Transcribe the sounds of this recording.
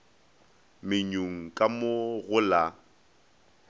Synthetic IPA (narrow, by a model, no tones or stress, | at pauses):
mɪɲoŋ̩kʼamoɣʊla